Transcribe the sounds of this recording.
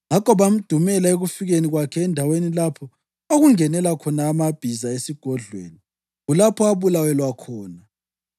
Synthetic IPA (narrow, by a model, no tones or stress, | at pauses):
ŋakʰɔβam̩d̥ʱumɛlaeɣufiɣeniɣwakʰɛːndʱawenilapʰɔ | oɣuŋɛnɛlakʰɔnaːmab̥ʱizaesiɡ̥ʱɔɮwḛːni | ɣulapʰɔaβulawɛlwakʰɔːna